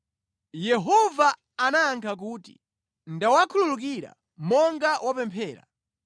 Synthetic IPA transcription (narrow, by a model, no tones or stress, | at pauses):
jɛɦɔva | anaːŋkʰak̬uːti̥̰ | ndawakʰululuk̬iɾa̰ | mɔŋɡawʔapɛmpʰɛːɾa̰